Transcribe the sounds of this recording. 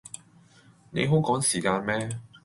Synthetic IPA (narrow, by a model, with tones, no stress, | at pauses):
nḛ˨˧jɦɵ˥ŋkɔː˨˥ŋsiː˨˩kaː˧nmɛː˥